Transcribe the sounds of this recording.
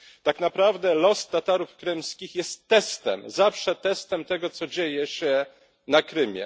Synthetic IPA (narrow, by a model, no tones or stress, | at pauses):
t̪aknapɾavd̪ɛlɔst̪at̪aɾufkɾɘmskʲixjɛst̪ːɛst̪ɛ̰mzafʂɛt̪ɛst̪ɛmt̪ɛɡɔt̪sɔd͡ʑejɛɕɛ | nakɾɘmʲjɛ̰